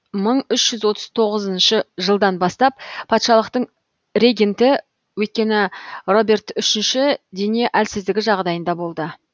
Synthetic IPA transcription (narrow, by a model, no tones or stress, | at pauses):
məɴʏʃʒ̥ʏzwo̞t̪əzt̪ʰo̞ʁəzənʃəʒəlˠd̪ɑnbɑst̪ɑp̚pʰɑt̪ʃɑlˠəqt̪əɴ | ɾʲe̞ɡʲent̪ɪ | wɵjt̪̚kʲe̞nɪro̞be̞rt̪ʏʃɪnʃɪd̪e̞nieʔælsɪzd̪ɪɡʲɪʒɑʁd̪ɑjənd̪ɑbo̞lˠd̪ə